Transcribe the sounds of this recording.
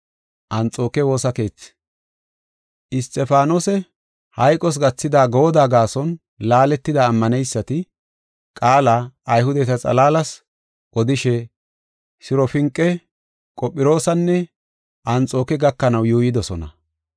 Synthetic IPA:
ʔɐnt͡sʼo̞ːkɛwo̞ːsɐke̞ːt͡sː | ʔɪst̪ɛfaːnosɛ | hɐjkʼɔs̬ɡɐt͡sːɪd̪aːɡoːd̪aːɡaːsɔn | laːlɛt̪ːɪd̪aːmːɐnɛjsːɐt̪ɪ | kʼaːlaːjɦʊd̪ɛt̪ɐt͡sʼɐ̰laːlɐs | ʔɔd̪ɪʃɛ | sɪɾɔfɪŋkʼːɛ | kʼɔpʼːɪɾo̞ːsɐnːɛ | ʔɐnt͡sʼo̞ːkɛɡɐkːɐnɐwjuːjɪd̪ɔsɔnɐ̰

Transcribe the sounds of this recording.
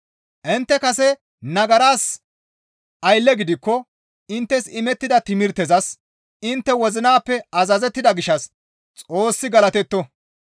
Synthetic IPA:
ʔɪnt̪ːɛkɐsɛ | nɐɡɐɾaːs | ʔɐjlːɛɡɪd̪ɪkːɔ | ɪnt̪ːɛsɪmɛt̪ːɪd̪ɐt̪ɪmɪɾt̪ɛzɐs | ɪnt̪ːɛwɔzɪnaːpːɛɐzɐzɛt̪ːɪd̪ɐɡɪʃɐs | t͡sʼo̞ːsːɪɡɐlɐt̪ɛt̪ːɔ

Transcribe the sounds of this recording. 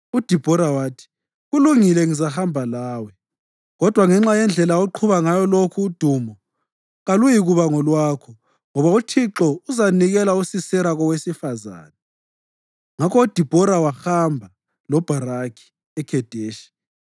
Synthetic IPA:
ud̥ʱib̥ʱɔɾawaːtʰi̥ | ɣuluŋilɛŋizahambʱalaːwɛ | ɣɔd̥ʱwaŋɛŋ͡ǁajɛnd͡ɮʱɛlaoǃʰuβaŋajɔlokʰuːd̥ʱuːmɔ | ɣalujiɣuβaŋɔlwaːkʰɔ | ŋɔβautʰiǁɔuzaniɣɛlausisɛɾaɣɔwesifaza̰ːnɛ | ŋakɔud̥ʱib̥ʱɔɾawaxambʱa | lɔb̥ʱaɾakʰi̥ | ɛkʰɛd̥ʱeːʃi̥

